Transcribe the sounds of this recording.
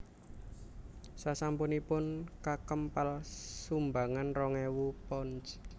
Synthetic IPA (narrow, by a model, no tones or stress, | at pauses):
sasampunipʊnkakəmpalsumbaŋanrɔŋɛwupɔnt͡ʃ